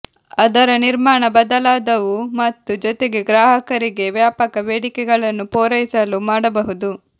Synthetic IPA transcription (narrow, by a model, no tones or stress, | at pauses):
ɐd̪ɐɾɐniɾmaːɳɐbɐd̪ɐlaːd̪ɐʋumɐt̪ːud͡ʒɔt̪eɡe̞ɡɾaːɦɐkɐɾiɡe̞ʋjaːpɐkɐʋeːɽikɛɡɐɭɐnːupɔːɾɐjisɐlumaːɽɐbɐɦud̪u